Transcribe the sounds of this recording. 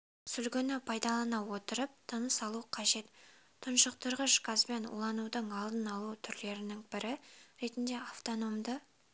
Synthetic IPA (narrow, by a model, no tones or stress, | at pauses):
sʏlɡʲɪnɪpʰɑjd̪ɑlˠɑnɑwo̞t̪əɾəp̚t̪ʰənəsɑlˠuqʰɑʒe̞t̪ | t̪ʰːʊnʃəq̚t̪ʰʊɾʁəʃkazbenṵlˠɑnud̪əɴɑlˠd̪ənɑlˠut̪ʰʏɾle̞ɾɪnɪŋbɪɾɪɾe̞t̪ɪnd̪e̞aft̪o̞no̞md̪ə